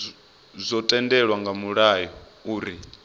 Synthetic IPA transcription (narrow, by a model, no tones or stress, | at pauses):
zʷɔtʼɛndɛɺwaŋɡamuɺajɔ | uːɾi